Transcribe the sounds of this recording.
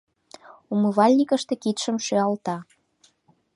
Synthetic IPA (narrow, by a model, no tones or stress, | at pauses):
uməβɑlʲnʲikəʃt̪ĕkit̪ʃəmʃøɑlt̪ɑ